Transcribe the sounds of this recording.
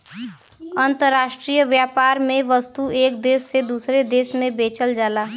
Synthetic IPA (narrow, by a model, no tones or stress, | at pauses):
ə̃nt̪əɾːaːʃʈɾijəʋjaːpaːɾmẽʋəst̪ueːkd̪eːsːed̪usɾed̪eːsmẽbeːt͡ʃəld͡ʒaːlaː